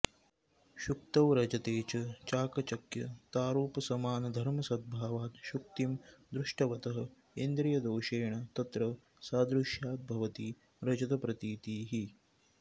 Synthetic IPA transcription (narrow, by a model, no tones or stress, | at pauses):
ʃuk̚t̪ɐʋɾɐd͡ʒɐt̪eːt͡ʃɐt͡ʃaːkɐt͡ʃɐkjɐt̪aːɾuːpɐsɐmaːnɐd̪ʱɐɾmɐsɐd̪̚bʱaːʋaːt̪ʃuk̚t̪imd̪ɾuʂʈɐʋɐt̪ɐɦɐ̆ | end̪ɾijɐd̪oːʃeːɳɐt̪ɐt̪ɾɐ | saːd̪ɾuʃjaːt̪̚bʱɐʋɐt̪i | ɾɐd͡ʒɐt̪ɐpɾɐt̪iːt̪iːɦi